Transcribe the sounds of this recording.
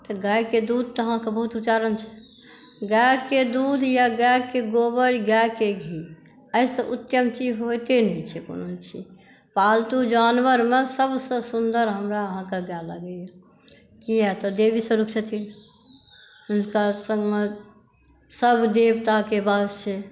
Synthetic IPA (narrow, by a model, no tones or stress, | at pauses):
t̪ɔɡajked̪ud̪̚ʱt̪ɔəɦãkebəɦut̪ut͡ʃaɾənt͡ʃʰɛ̥ | ɡɛked̪ud̪ʱjaɡɛkeɡobəɽiɡɛkeɡʱi | əɪsə̃ʔʊt̪jəmt͡ʃid͡ʒɦojt̪enɛt͡ʃʰɛko̰not͡ʃʰi | palt̪ud͡ʒanʋəɾmẽsəbʱsə̃sund̪əɾɦəmɾaəɦãkeɡalə̰ɡəja | kiɦɛt̪ɔd̪ebisə̃ɾukʰt͡ʃət̪ʰil | ʊnkasə̃ŋɡme | səbd̪eʋt̪akebast͡ʃʰɛ